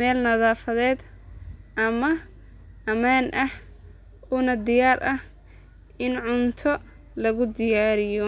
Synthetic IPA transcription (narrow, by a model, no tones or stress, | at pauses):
mɛːlnɐðaːfɐðɛːd̪ | ʔɐmɐ | ɐmaːnʔɐh | ʊnɐd̪ɪjaːɾʔɐh | ʔɪnʕʊnt̪ʰɔ | lɐɣʊd̪ɪjaːɾɪjɔ